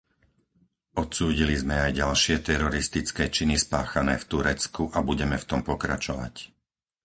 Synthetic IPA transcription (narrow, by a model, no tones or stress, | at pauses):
ɔt̪suːɟilizmɛajɟalʃɪɛt̪ɛɾɔɾist̪it͡skɛːt͡ʃinispaːxanɛ̰ːft̪uɾɛt͡skuʔabuɟɛmɛft̪ɔmpɔkɾa̰t͡ʃɔʋa̰c